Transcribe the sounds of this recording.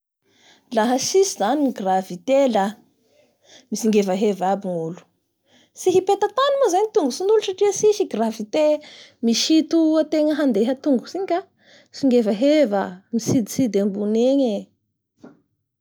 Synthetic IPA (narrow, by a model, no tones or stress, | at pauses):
laɦəsisizaniɡravit̪ela | misiŋɡevəɦevabiŋulu̥ | siɦipet̪at̪animazaɲit̪uŋɡusinuluʈ͡ʂaʈ͡ʂiəsiʃiɡravit̪emiʃit̪uat̪eŋəɦand̪eɦat̪uŋɡusiɲka | siŋɡevəɦevamisid̪isid̪embuneɲe